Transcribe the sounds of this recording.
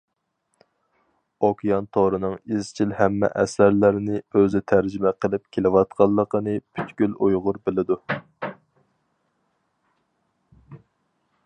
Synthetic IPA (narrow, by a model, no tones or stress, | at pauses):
okʲʰijɑnt̪ʰoɾɨnɨŋizt͡ʃʰilhɛmːɛ̰ʔɛ̰sæɾlæɾɪnɪøzɪt̪ʰæɾd͡ʒɪmɛqʰəlˠɪp̚kʲʰelɪwɑt̪qʰɑlˠːəqənɨpʰy̥t̪kʲylujʁʊɾbɪlɪd̪u